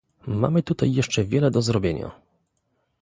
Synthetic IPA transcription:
ma̰mɘt̪ut̪ajːɛʂt͡ʂɛvʲjɛlɛd̪ɔzɾɔbʲjeɲa̰

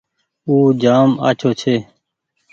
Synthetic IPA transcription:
uːd͡ʒaːma̰ːt͡ʃʰoːt͡ʃʰeː

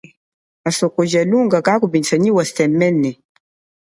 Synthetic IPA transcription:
asɔkod͡ʒaluŋɡakakubinsaɲiwastɛmːɛnːɛ

